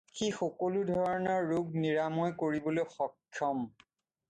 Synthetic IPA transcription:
xixɔkoludʱɔɔɹɔnɔɹːuɡ̚niɹamɔjkoɹibɔlojxɔkʰːjɔm

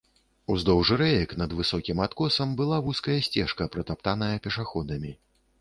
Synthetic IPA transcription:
uzd̪ɔwʐɨɾɛjɐkn̪ɐd̪vɨsɔkʲimat̪kɔsɐmbɨlˠavuskɐjɐsʲt͡sʲɛʂkɐpɾɐt̪ap̚t̪anɐjɐpʲɛʂaxɔd̪ɐmʲi

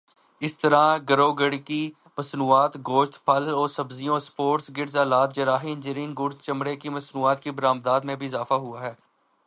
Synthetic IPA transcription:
ɪst̪əɾãɡəɾoːɡəɽiki | mɐsnuːaːt̪ɡoːʃt̪pʰɐlɔːɾsɐbzijõspoːʈsɡɪɾzaːlaːt̪̚d͡ʒɐɾaːɦiːnd͡ʒɪɾɪ̃ŋɡʊɾst͡ʃɐmɽekimɐsnuːaːt̪kibəɾaːmd̪aːd̪mẽbʱiɪzaːfaɦʊaɦɛː

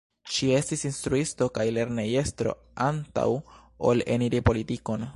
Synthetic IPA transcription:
ʃie̞stisinstɾuisto̞kajle̞ɾneje̞stɾo̞̰ | anta̰wo̰le̞̰niɾipo̞litiko̞n

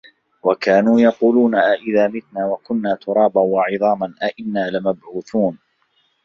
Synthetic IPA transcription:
wakaːnuːjɑquːluːnaʔaʔɪðaːmɪt̪naːwakʊnːaːt̪ʊɾˤɑːbanwɑʕɨðˤɑːmanʔaʔɪnːaːlɪmabʕuːθuːn

